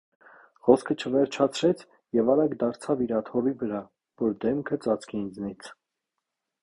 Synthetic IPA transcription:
χɔskʰət͡ʃʰəvɛɾt͡ʃʰɑt͡sʰɾɛt͡sʰ | jɛvɑɾɑɡd̪ɑɾt͡sʰɑviɾɑt̪ʰɔvivəɾɑ | vɔɾd̪ɛmkʰət͡sɑt͡sʰkʰind͡znit͡sʰ

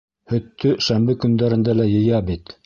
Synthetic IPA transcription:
hɵ̆t̪ːɵʃæmbɘkɵ̆nd̪æɾɘ̆nd̪ælæjɤ̆jɑbit̪

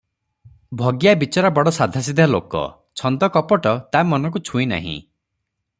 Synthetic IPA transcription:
bʱɔɡjabit͡ʃɔɾabɔɽɔsad̪ʱasid̪ʱalo̰kɔ̰ | t͡ʃʰɔnd̪ɔkɔpɔʈɔt̪amɔnɔk̬ut͡ʃʰũina̰ɦḭ̃

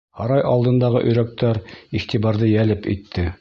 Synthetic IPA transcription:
hɑɾɑjʔɑlˠd̪ɤ̆nd̪ɑʁɤ̰ʔɵ̆jɾæk̚t̪æɾiχt̪iβɑɾðɤjælɘpḭt̪ʰːɘ

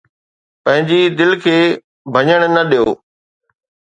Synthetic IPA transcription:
pɐ̃ɦɪ̃ɲd͡ʑid̪ɪlkʰeː | bʱɐɲəɽ̃nɐɗijoː

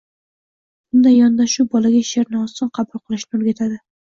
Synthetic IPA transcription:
b̥ʊnd̪ajɒnd̪aʃʊbɒlaɡʲaʃeɾnɪɒst̪ɨnqʰɑbʊlˠqʰɨlˠɪʃnɪɵɾɡʲat̪ʰad̪ɪ

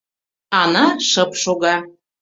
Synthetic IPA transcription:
ɑnɑʃɤpʃoɣɑ

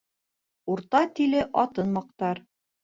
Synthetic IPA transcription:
uɾt̪ɑt̪ilɘʔɒt̪ɤnmɑq̚t̪ɑɾ

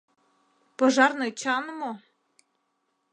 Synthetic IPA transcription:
pɤ̆ʒɑrnɤt͡ɕɑnmo

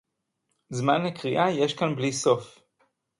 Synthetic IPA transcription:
zmanlekʁiʔaje̞ʃkanbliso̞f

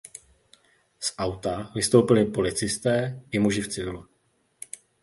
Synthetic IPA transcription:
sʔawt̪avɪst̪owpɪlɪpo̞lɪt͡sɪst̪ɛːɪmuʒɪft͡sɪvɪlu

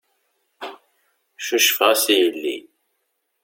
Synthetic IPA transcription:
ʃuʃəfʁæsijəlːḭ

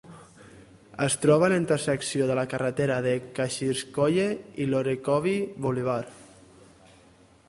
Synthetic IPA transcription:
əst̪ɾɔβ̞alint̪ərsəksioðəlakarət̪eɾaðekaʃiskoʎeiloɾekɔβiβuliβ̞aɾ

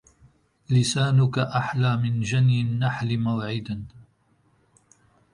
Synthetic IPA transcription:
lɪsaːnʊkaʔaħlaːmɪnd͡ʒanjɪnːaħlɪmawʕɪd̪an

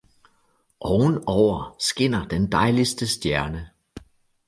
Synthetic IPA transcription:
ʔɒʊnɒʊ̰ɐsɡ̥e̝n̰ɐd̥end̥ɑ̈ɪlisd̥əsd̥jæɐnə

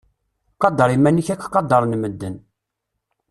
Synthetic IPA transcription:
qɑd̪ːɑɾˤimænːiçækːqɑd̪ːɑɾˤnməd̪ːən

